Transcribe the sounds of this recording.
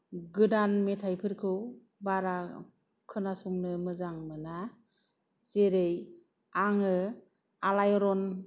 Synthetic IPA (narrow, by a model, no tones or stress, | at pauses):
ɡɯdanmetʰajpʰɯɾkʰɯw | baɾa | kʰɯnasuŋnɯmɯzaŋmɯna | z̥eɾej | aŋɯ | alajɔɾɔn